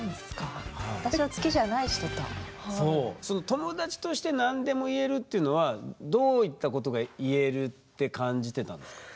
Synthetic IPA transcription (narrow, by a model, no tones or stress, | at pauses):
nd̪esɨ̥kahat̪aɕiat͡sɨ̥keʑanaiɕi̥t̪ot̪a̰hso̞ːso̞no̞t̪o̞mo̞d̪at͡ɕi̥t̪o̞ɕi̥t̪e̞nãnd̪e̞mo̞ie̞ɾɯ̟t̪ːe̞iɯ̟no̞βad̪o̞ːit̪ːako̞t̪̬o̞ɡaie̞ɾɯ̟t̪ːe̞kãɲd͡ʑit̪e̞t̪ã̰nd̪